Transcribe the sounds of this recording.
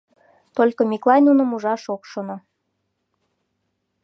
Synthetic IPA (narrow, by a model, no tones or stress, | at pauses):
t̪olʲkomʲiklˠɑnʲunə̆muʒɑʃokʃono